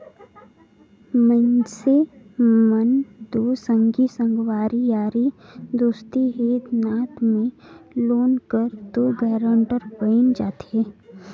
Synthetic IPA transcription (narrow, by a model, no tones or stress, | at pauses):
mə̃nse | mənd̪oːsə̃ŋɡisə̃ŋɡwaːɾijaːɾid̪ost̪iɦeːd̪naːt̪mẽloːnkəɾt̪oɡɛːɾə̃ɳʈəɾpəɪnd͡ʒaːt̪eː